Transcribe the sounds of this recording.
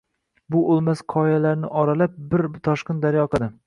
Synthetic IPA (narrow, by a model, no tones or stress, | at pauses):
bʊʔolˠmasqʰɒjalaɾnɪʔɒɾalap̚bɪɾt̪ʰɒʃqɨnd̪aɾjɒqʰɨd̪ɪ